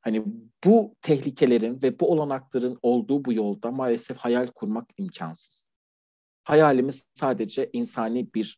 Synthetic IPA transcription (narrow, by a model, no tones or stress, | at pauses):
hanib̥ut̪ʰɛçlʲicʰe̞lʲe̞ɾinvɛbuo̞lˠanaklˠaɾɯno̞lˠd̪uːbujo̞lˠd̪amaːlʲɛsɛfhajalʲkʰuɾmakimcʰa̰nsɯ̥z̥ | hajaːlʲimizsaːd̪e̞d͡ʒɛʔinsaːniːbiɾ